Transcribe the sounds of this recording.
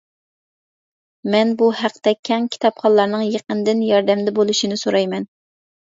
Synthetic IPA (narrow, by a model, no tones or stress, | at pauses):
mɛnbuhæqt̪ɛkʲʰɛŋkʲʰi̥t̪ʰɑpχɑlˠːɑɾnɨŋjeqənd̪ɪnjɑɾd̪ɛmd̪ɛbolˠuʃinɪsoɾɑjmɛn